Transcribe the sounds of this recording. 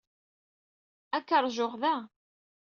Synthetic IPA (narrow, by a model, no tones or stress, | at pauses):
ækːəɾˤʒʊʁðæ